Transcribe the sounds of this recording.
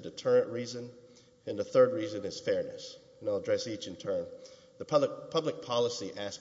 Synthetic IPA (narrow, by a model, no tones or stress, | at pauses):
dɨtʰɜ˞ɨ̃nʔɹizɨ̃n | ɨ̃nðəθɜ˞d̚ɹizɨ̃nɨz̥fɛɹnɨ̰s | naɪlˠədɹɛsit͡ʃɨ̃ntʰɜ̃˞n | ðəpʰʌpʰʌblɨk̚pʰɑlˠəsiʔæs